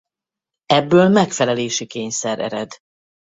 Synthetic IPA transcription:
ɛbːøːlmɛkfɛlɛleːʃikeːɲsɛɾɛ̰ɾɛd̪

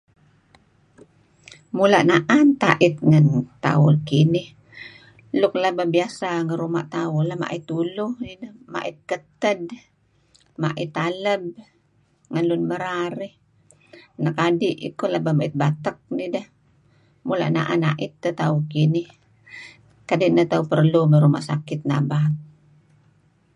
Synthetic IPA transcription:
mulaʔnaʔant̪a̰ʔɪt̪̚ŋant̪a̰ʊlkinɪh | lʊk̚lababiasaŋəɾuma̰ʔt̪aʊlama̰ʔit̪uluhnidəhma̰ʔɪt̪̚kət̪əd | maʔit̪aləb̚ | ŋanlunməɾaɾi | nakadiʔḭkolabamaʔit̪̚bat̪ək̚nidəh | mula̰ʔna̰ʔanaʔit̪̚ːət̪aukinɪh | kadiʔnət̪aupərlumaɾuma̰ʔsa̰kɪt̪̚na̰bat̚

